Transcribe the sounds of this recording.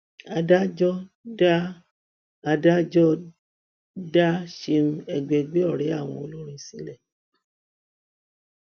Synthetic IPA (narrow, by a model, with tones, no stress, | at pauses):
a˧da˦d͡ʒɔ˦ | da˦ | a˧da˦d͡ʒɔ˦ | da˦ʃe˧m̩˦ɛ˧ɡ͡bɛ˨˧ɡ͡be˦ɔ˦˨ɾɛ˨˦a˦˨w̃ɔ̃˧o˧lo˦ɾĩ˧si˨˦lɛ˦˨